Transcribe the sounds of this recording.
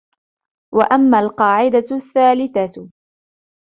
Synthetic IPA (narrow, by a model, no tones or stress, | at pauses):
waʔamːaːlqɑːʕɪd̪aθːaːlɪθa